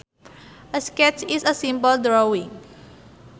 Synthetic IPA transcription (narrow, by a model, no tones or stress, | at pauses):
ʔəskɛt͡ʃisəsĩmbəldɹowĩŋ